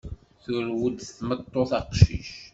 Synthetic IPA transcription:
θʊɾwəd̪θθmət̪ˤːoθɑqʃḭʃ

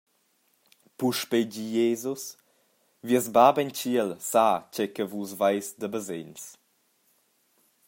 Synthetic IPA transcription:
puʃpeɟijezus | viəzbabɛnt͡ʃiəlsacɛkəvusvajsdəbəzens

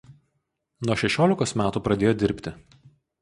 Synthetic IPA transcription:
nuɔʃʲɛʃʲoːlʲɪkoːsmʲæːt̪uːpɾɐd̪ʲeːjoːd̪ʲɪɾʲpʲt̪ʲɪ

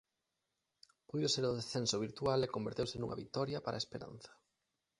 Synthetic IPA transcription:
pujðoseɾðoðesθensoβ̞iɾt̪ualekombeɾt̪ewsenṵŋʔɐ̰βik̚t̪ɔɾjɐpaɾʔa̰espeɾa̰n̟θɐ̥

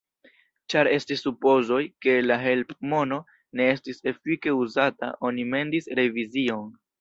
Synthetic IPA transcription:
t͡ʃaɾe̞stisːupo̞zo̞jke̞laɦe̞lpmo̞no̞ | ne̞e̞stise̞fike̞uzata̰ʔo̞nime̞ndisɾe̞vizio̞n

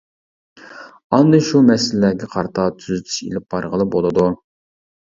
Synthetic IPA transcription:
ɑnd̪ɨʃumɛsɪlːɛːɡʲɛqʰɑɾt̪ʰɑt̪ʰyzyt̪ʰy̥ʃḛlɪp̚bɑɾʁəlˠɨbolˠɨd̪u

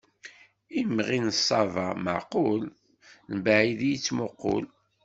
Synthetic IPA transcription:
imʁinəsˤːɑvɑmə̰ʕqʊl | nbaʕiðijit͡sːmʊqːo̰l

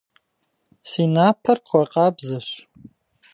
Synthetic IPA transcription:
sinapʰɨrkʷʰaqʼabzaʃʷ

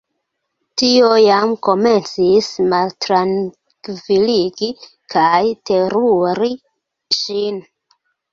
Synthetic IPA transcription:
tiojamko̞me̞nt͡sismaltɾan | kviliɡi | kʰajte̞ɾuɾi | ʃin

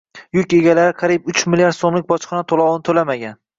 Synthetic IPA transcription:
jʊkʲe̞ɡʲalaɾɪqʰɑɾipʊt͡ʃmɪljaɾd̪somlɪk̚ʲbɒt͡ʃqɑnat̪ʰolˠɒwnɪt̪ʰolamaɡʲan

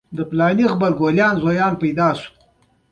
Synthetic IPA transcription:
d̪əplɑːnixbaɾɡoljɑːnzojɑːnpajd̪ɑːsu̥

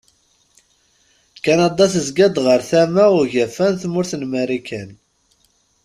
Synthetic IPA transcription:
kːænɑd̪ˤɑθəzɡæd̪ʁəɾθæmaʊʝæfænθmʊɾθənmæɾikæn

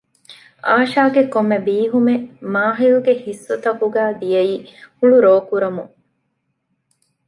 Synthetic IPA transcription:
aːʃaːɡekomːebiːɦumemaːɦiluɡehisːot̪ɐkuɡæːd̪ijɐiːhuɭuɾoːkuɾɐmuŋ

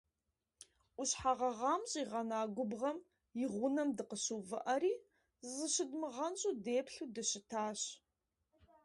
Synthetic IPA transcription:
ʔʷʊɕħaʁɐʁɑːmɕʼiʁɐnaːɡʷʊbʁɐm | jɪʁʷʊnɐmdɨqəɕuːvɨʔɐɾiː | zɨɕɪdmɨʁɐnɕʼuːdeːpɬuːdɨɕɪtʰaːɕ

